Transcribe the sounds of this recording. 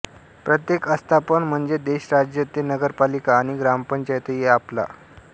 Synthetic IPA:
pɾət̪jekəst̪ʰapəɳm̤əɳd͡zed̪eɕɾad͡ʑjət̪enəɡəɾpalikaːɽ̃iɡɾampəɲt͡ɕajt̪əjeapla̰

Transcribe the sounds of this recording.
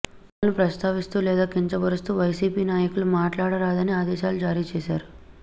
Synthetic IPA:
ʋalɐnupɾɐst̪aːʋist̪uːlɛːd̪aːkiɲt͡ʃɐbɐɾust̪uːʋɐjsiːpiːnaːjɐkulumaːʈlaːɽɐɾaːd̪ɐniaːd̪ɛːʃaːlud͡ʒaːɾiːt͡ʃɛːʃaːɾu

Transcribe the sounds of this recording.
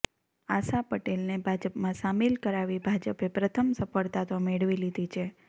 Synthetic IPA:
asapəʈelnebʱad͡ʒəpmãsamilkəɾaʋibʱad͡ʒəpepɾət̪ʰəmsəfəɭt̪at̪omeɽʋilid̪ʱit͡ʃʰe

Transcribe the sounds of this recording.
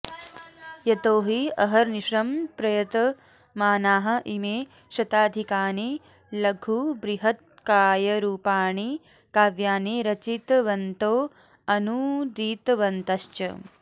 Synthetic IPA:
jɐt̪oːɦiɐɦɐɾniʃɾɐmpɾɐjɐt̪ɐ | maːnaːɦɐ̆ʔimeː | ʃɐt̪aːd̪ʱikaːni | lɐɡʱubɾiɦɐt̪̚ | kaːjɐɾuːpaːɳi | kaːʋjaːniɾɐt͡ʃit̪ʋɐnt̪oː | ɐnud̪iːt̪ɐʋɐnt̪ɐʃt͡ʃɐ̰

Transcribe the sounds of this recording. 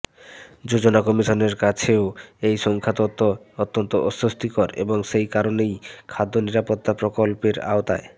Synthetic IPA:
d͡ʑod͡ʑonakɔmiʃoneɾkat͡ɕʰeoejʃɔŋkʰat̪ot̪ːoot̪ːont̪oʔɔsːost̪ikɔɾḛboŋʃejkaɾonejkʰad̪ːoniɾapot̪ːapɾokolpeɾa̰ot̪a̰e

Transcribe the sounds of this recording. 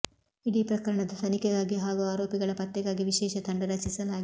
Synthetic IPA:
iɽiːpɾɐkɐɾɐɳɐd̪ɐsɐnikɛɡaːɡiɦaːɡuaːɾo̞ːpiɡɐɭɐpɐt̪ːɛɡaːɡiʋiʃɛːʃɐt̪ʰɐɳɖɐɾɐt͡ʃisɐlaːɡi

